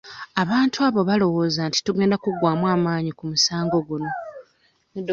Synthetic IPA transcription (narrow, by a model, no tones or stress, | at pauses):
aβaːntʰuaβo̞βalo̞wo̞ːzanti̥tuɡe̞ːndakuɡwaːmwaːmaːɲikumusaːŋɡo̞ɡuno̞ | ned